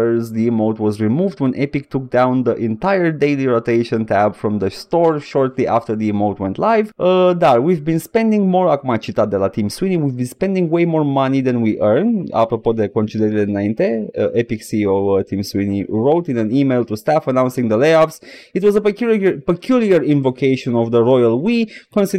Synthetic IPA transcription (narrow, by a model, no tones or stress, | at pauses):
zðiimoʊtwɔzɹimuvd̪wɛ̃nʔɛpik̚tʰuk̚d̪ãʊw̃nd̪əʔɛ̃ntajə˞deɪliɹoteɪʃə̃ntʰæbfɹɔ̃mðəstɔɹʃɔɹt̪liʔaftə˞ðiimoʊtwɛ̃nt̪laɪvd̪atwivbĩnspɛ̃ndĩŋmɔɹakmat͡ʃit̪ad̪ɛlat̪ʰĩmswiniwivbĩnspɛ̃ndĩŋweɪmɔɹmʌniðɛ̃nwiʔɜ˞nda̰pɾopod̪əkɔ̃nt͡ʃid̪əɾdnãj̃nt̪eʔepiksiovt̪ʰĩmswiniɹoʊt̪ĩnæ̃nimelˠt̪ust̪afənãwnsĩŋd̪əleɪapsitwɔzəpəkʰjulˠiəɹĩnvokʰeɪʃɔ̃nɔvd̪əɹɔjalwikɔ̃nsi